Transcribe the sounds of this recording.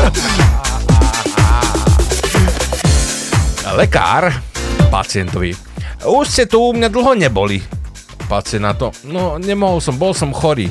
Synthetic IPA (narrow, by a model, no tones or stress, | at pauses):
lɛka̰ːɾpa̰t͡sɪɛnt̪ɔʋi | uʃscɛt̪umɲad̪l̩ˠɦɔɲɛbɔli | pat͡sɪɛnat̪ɔnɔɲɛmɔɦɔlsɔmbɔlsɔmxɔɾḭː